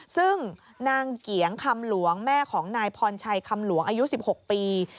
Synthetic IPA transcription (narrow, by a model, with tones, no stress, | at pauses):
sɯ˥˩ŋ | naː˧ŋki˩˦əŋkʰa˧mlu˩˦əŋmɛː˥˩kʰɔː˩˦ŋnaː˧jpʰɔː˧nt͡ɕʰa˧jkʰa˧mlu˨˩˦əŋʔaː˧ju˦˥si˨˩p̚ho˨˩k̚piː˧